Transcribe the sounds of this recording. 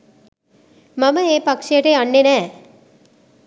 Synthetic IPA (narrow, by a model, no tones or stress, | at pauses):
mɐməeːpɐkʂijəʈeanːenæː